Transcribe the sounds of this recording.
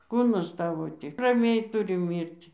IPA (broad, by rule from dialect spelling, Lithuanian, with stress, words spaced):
ˈkuːnɐs ˈtɑːʋoː ˈtʲɪk rɐˈmʲɛɪ ˈtʊrʲɪ ˈmʲiːrʲtʲɪ